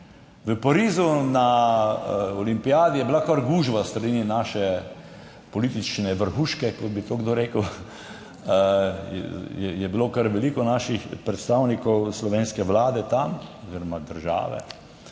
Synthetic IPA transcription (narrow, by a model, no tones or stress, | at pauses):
ʋəpaɾiːzuna | ɔlimpijaːd̪ijɛbilakaɾɡuːʒbast̪ɾɐd̪ininaʃɛ | pɔliːt̪it͡ʃnɛʋəɾxuːʃkɛkɔt̪̚bit̪oɡd̪oːɾeːkəw | jɛjɛbilokaɾʋɛlikɔnaːʃixpɾɛt̪st̪aːwnikɔwslɔʋeːnskɛʋlaːd̪ɛt̪amɔziɾɔmad̪əɾʒa̰ːʋɛ̰